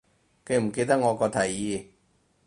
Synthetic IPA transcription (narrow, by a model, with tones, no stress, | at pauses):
ke˧jm̩˨˩ke˧jt̪ɐ˥k̚ŋɔː˨˧kɔː˧t̪ʰɐ˨˩jjiː˧